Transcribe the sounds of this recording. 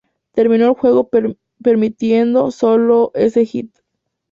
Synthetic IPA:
t̪e̞ɾmĩnoelxwe̞ɣo̞ | peɾmit̪jend̪o̞so̞lo̞ʔe̞se̞xit̪

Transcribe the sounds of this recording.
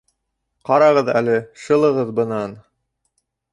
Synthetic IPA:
qɑɾɑʁɤðæ̰lɘʃɤ̆lˠɤ̆ʁɤðbɤ̆nɑn

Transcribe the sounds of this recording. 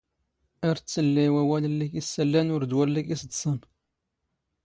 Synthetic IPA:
əɾt͡sːəlːiwæwæləlːikisːælːænwəɾd̪wællːikisəd̪sən

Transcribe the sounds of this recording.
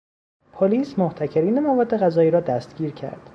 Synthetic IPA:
pʰoliːsmoht̪ʰæcʰeɾiːne̞mævɒːd̪ːe̞ɣæzɒːjiːɾɒːd̪æst̪̚ɡ̥ʲiːɾcʰæ̰ɾd̪̥

